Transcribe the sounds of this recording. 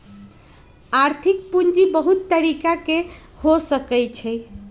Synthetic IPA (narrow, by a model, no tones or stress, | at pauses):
aɾt̪ʰik̚pund͡ʒibəɦut̪ːəɾikake | hosəkəjt͡ʃʰəj